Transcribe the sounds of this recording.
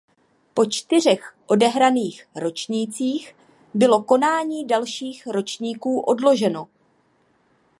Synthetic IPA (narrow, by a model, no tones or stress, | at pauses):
po̞t͡ʃt̪ɪr̝ɛxʔo̞dɛɦɾaniːxɾo̞t͡ʃɲiːt͡siːx | bɪlo̞ko̞naːɲiːdalʃiːxɾo̞t͡ʃɲiːkuːʔo̞dlo̞ʒɛno̞